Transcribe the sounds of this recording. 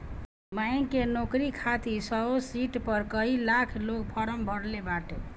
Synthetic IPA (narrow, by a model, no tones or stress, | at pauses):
majnkenokɾikʰat̪isʌɦosiʈpʌɾkʌɦilakʰlok̚pʰɔɾəmbʱʌɽlebaʈe